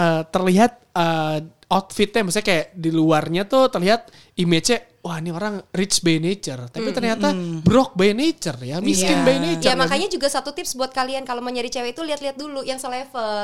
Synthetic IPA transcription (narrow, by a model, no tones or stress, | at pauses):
əːt̪ərliɦat̪̚ə | ɔt̪fɪt̪̚ɲamasakajaʔdiluarɲat̪ʊht̪ərliɦat̪̚ | imet͡ʃɛ | wahnioɾaŋrɪt͡ʃbened͡ʒərt̪apit̪ərɲat̪abɾɔk̚bajned͡ʒərjamiskɪnbajned͡ʒəamakaɲad͡ʒuɡasat̪ut̪ɪpsbuat̪̚kaliankaloməɲaɾit͡ʃeweit̪uliɦat̪liɦat̪̚dulujaŋsəlɛfəl